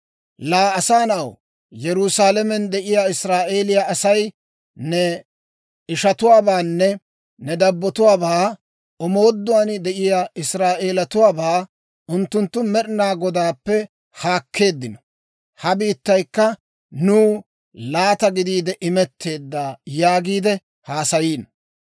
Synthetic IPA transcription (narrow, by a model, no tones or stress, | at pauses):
laːɐsaːnɐw | jɛɾʊsaːlɛmɛnd̪ɛʔɪjaɪsɾaːʔe̞ːlɪjaʔɐsɐj | nɛ | ɪʃɐt̪ʊwaːbaːnːɛ | nɛd̪ɐbːɔt̪ʊwaːbaː | ɔmo̞ːd̪ːʊwand̪ɛʔɪjaɪsɾaːʔe̞ːlɐt̪ʊwaːbaː | ʔʊnt̪ːʊnt̪ːʊmɛɾnaːɡɔd̪aːpːɛ | haːkʰːe̞ːd̪ːɪnɔ̥ | hɐbiːt̪ːɐjkːɐ | nuː | laːt̪ɐɡɪd̪iːd̪ɛʔɪmɛt̪ʰːe̞ːd̪ːaːjaːɡiːd̪ɛ | haːsɐjiːn